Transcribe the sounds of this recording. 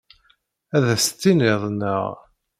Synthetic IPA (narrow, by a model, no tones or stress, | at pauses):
æðæst̪ːinɪðˤnə̰ʁ